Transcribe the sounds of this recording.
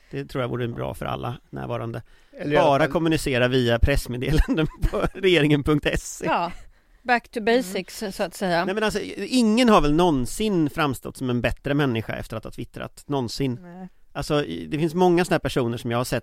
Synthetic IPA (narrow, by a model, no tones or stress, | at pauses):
d̪ɛt̪ʰɾuːjavṵːɾəbɾɑ̰ːfœ̰ɾa̰lːa̰næ̰ːɾvɑːɾand̪ə | bɑːɾakʰɔmːɵnɪseːɾaviːapʰɾɛsmeːd̪eːland̪ənpʰɔɾɛjeːɾɪŋənpʰɵŋk̚t̪ɛseː | bækt̪ʰʊbɛɪsɪkssɔat̪sɛjaɛmɛnalsɔɪŋːənɦaɾvɛlnɔnsɪnfɾamst̪ɔ̰t̪ːsɔmɛnbɛt̪ɾəmɛnːɪɧa̰ʔɛ̰ft̪əɾat̪hɑːt̪ʰvɪt̪ːɾa̰t̪nɔnsɪnː | ʔalsɔd̪ɛfɪnsmɔŋːasɔnahːɾpæʂuːnəʂɔmjaːhaʂɛt̪ː